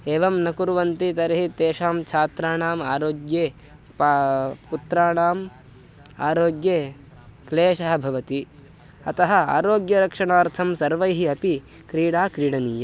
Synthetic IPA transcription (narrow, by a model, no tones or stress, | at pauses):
eːʋɐmnɐkuɾuʋɐnt̪it̪ɐɾɐɦit̪eːʃaːmt͡ʃʰaːt̪ɾaːɳaːmaːɾoːɡjeː | pput̪ɾaːɳaːm | a̰ːɾoːɡjeː | kleːʃɐɦɐbʱɐʋɐt̪i | ɐt̪ɐɦɐa̰ːɾoːɡjɐɾɐkʂɐɳaːɾt̪ʰɐmsɐɾʋɐjɦiɐpi | kɾiːɽaːkɾiːɽɐniːjɐ